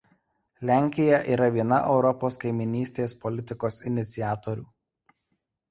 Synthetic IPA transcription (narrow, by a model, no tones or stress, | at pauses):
lʲæˑŋʲkʲɪjɛʔiːɾɐʋʲiɛnɐʔɛʊɾɔpoːskɐɪmʲɪnʲiːsʲt̪ʲeːspɔlʲɪt̪ʲɪkoːsɪnʲɪt̪sʲɪjæːt̪ɔɾʲuː